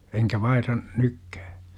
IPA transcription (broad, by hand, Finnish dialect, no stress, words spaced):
enkæ ʋɑihrɑ nykːæ̥ː